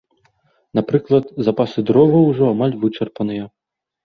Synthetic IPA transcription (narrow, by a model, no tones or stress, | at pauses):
napɾɨklˠɐt̪zapasɨd̪ɾɔvɐwʐɔamalʲvɨt͡ʂɐrpɐnɨjɐ